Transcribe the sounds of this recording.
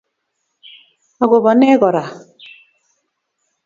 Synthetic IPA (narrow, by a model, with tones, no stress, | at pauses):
a˨ɡo˨bɔ˨nɛ˦ɡɔ˨ɾa˨